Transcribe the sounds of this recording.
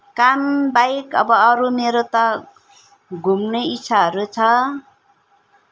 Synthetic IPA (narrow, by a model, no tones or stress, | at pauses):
kambajkʌbʌːɾumeɾot̪ʌ | ɡʱumnʌjisʰaɦʌɾut͡sʰʌ